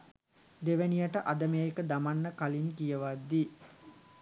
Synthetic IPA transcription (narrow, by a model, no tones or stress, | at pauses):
d̪eʋənijəʈəʔad̪əmejekəd̪amanːəkalinkijəʋad̪ːi